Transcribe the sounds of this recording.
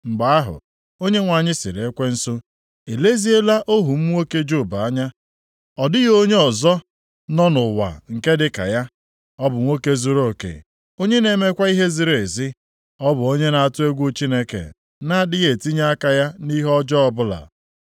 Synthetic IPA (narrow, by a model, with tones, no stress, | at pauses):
m̩˨ɡ͡ba˨a˦ɦʊ̰˨ | o˦ɲe˦ŋʷa˨ɲɪ˦sɪ̰˨ɾe˨e˦kʷe˦n̩˦so˦ | e˨le˦zi˦e˦la˦ʔo˦ɦu˨m̩˦ŋʷo˦ke˦d͡ʒo˦˨ba˨a˦ɲa˦ | ɔ˨dɪ˦ɣo˦ɲe˦ɔ˨zɔ˦ | nɔ˦nʊ˨wa̰˨ŋ̩˨ke˦dɪ˦ka̰˨ja˦ | ɔ˦bʊ˨ŋʷo˦ke˦zu˨ɾo˦˨kḛ˨ | o˦ɲe˦ne˨me˦kʷa˦i˦ɦe˦zi˨˦ɾe˨zi˦ | ɔ˦bʊ˨o˦ɲe˦na˨a˨tʊ˦e˦ɡʷu˦t͡ʃi˦ne˦kḛ˨ | na˦˨dɪ˦ɣe˨ti˦ɲa˦a˦ka˨ja˦ni˦ɦɔ˦d͡ʒɔ˦ɔ˦bʊ˦la̰˨